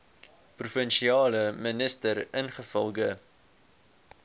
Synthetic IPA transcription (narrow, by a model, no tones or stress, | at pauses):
prufənʃiɑːləmənəstəɾənχəfə̰lˠɡə